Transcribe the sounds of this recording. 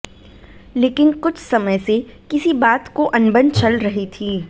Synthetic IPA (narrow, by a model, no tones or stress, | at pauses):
leːkɪnkʊt͡ʃʰsɐməjsekɪsibaːt̪koʔɐ̃nbə̃nd̪t͡ʃɐlɾɐɦit̪ʰiː